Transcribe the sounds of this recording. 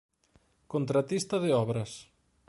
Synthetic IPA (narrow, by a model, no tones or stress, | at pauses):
kont̪ɾat̪ist̪ɐðɪɔβɾɐs